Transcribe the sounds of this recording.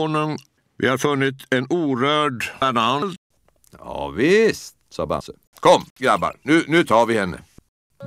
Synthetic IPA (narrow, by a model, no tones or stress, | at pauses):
nʊŋ | ʋḭːhɑːɾfʉnət̪ʰeːnuːɾøːɖænɑnl | jɑ̰ːʋɪst̪sɑ̰ːbɑ̰sə | kʰɔmɡɾæbə̰ɾnʉːnʉːt̪ʰɑːɾʋɪhɛnːə̰